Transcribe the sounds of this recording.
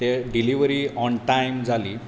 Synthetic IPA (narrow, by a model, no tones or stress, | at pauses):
t̪eɖiliʋɾiːɔɳʈajmd͡zʱaliː